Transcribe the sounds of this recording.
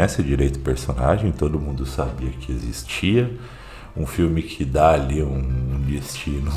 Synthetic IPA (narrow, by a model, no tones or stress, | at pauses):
ɛsɪd͡ʒiɾejt̪ʊ̥peɾsona̰ʒẽj̃t̪od̪ʊmũnd̪ʊsabiɐkɪezist͡ʃiɐ | ũfiwmɪkʰɪd̪aaliũũd͡ʒ̪est͡ʃĩnʊ